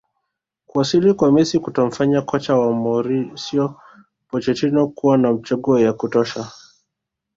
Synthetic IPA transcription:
kuasilikwamɛsikutɔm̩faɲakɔt͡ʃawamɔɾisiɔ | pɔt͡ʃɛtinɔkuwanam̩t͡ʃaɠuɔjakutɔʃa

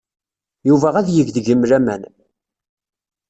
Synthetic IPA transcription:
juvæʁæðjəʝðʝəmɾæmæ̰n

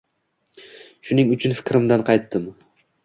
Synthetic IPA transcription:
ʃʊnɪŋʊt͡ʃʰʊnfɪ̥kʲɾɪmd̪anqʰɑjt̪ːɪm

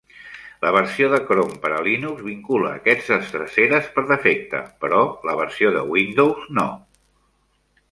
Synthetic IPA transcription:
ləβ̞əɾsioðəkɾompəɾəlinukzβiŋkulə̰ːkɛd͡zəst̪ɾəseɾəspəɾðəfek̚t̪ə̰pəɾɔləβ̞əɾsioðə̰wind̪owzno̰

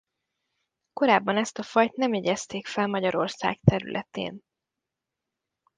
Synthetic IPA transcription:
ko̞ɾaːbːɒnɛst̪ɒfɒjt̪nɛmjeːɟɛst̪eːkfɛlmɒɟɒɾo̞rsa̰ːkt̪ɛɾy̰lʔɛ̰t̪ḛːn

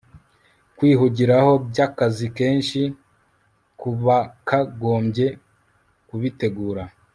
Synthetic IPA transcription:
kwiːɦuɟiɾaho̞bɟakazike̞ːnʃi | kuβakaɡo̞ːmɟje̞ | kuβite̞ɡuːɾa

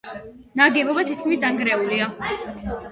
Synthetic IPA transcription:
naɡɛbɔbat̪ʰit̪̚kʰmisd̪aŋɡɾɛulia

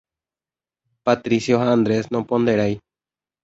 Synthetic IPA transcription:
pat̪ɾisjoɦaand̪ɾesnõpond̪eɾaj

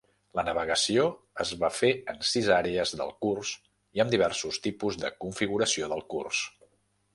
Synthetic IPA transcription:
lənəβ̞əɣəsio | əzβafeənsizaɾeəzðə̰lˠkurs | iəmd̪iβ̞ɛrsust̪ipuzðəkuɱfiɣuɾəsioðəlˠkṵrs

